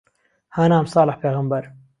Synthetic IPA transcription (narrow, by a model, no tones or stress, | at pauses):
haːnaːmsˤɑːləħpeːɣambaɾ